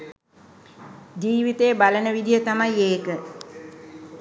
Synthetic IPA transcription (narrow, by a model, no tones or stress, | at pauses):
d͡ʒiːʋit̪eːbalənəʋid̪ijət̪amajeːkə